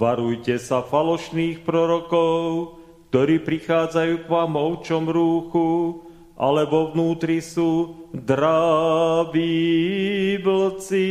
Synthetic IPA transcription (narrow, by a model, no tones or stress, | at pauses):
ʋaɾujcɛsafalɔʃniːxpɾɔɾɔkɔʊ | k̚t̪ɔɾiːpɾixaːd͡zajuːkʋamɔʊt͡ʃɔmɾuːxu | ʔa̰lɛʋɔʋnuːt̪ɾisuːd̪ɾa | ʋiː | bl̩t͡si